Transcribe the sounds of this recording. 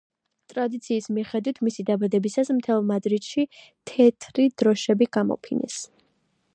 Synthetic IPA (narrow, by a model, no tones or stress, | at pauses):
t̪ʼɾad̪it̪sʰiːsmiχɛd̪wit̪ʰmisid̪abad̪ɛbisasmt̪ʰɛlˠmad̪ɾit̪ʃi | t̪ʰɛt̪ʰɾid̪̥ɾɔʃɛbiɡ̥amɔ̰pʰinɛ̰s